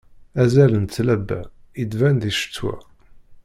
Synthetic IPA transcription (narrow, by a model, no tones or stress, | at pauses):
æzælənt̪t͡sːlæbːæ̰ | id̪vænd̪iʃə̥t͡sːwæ̰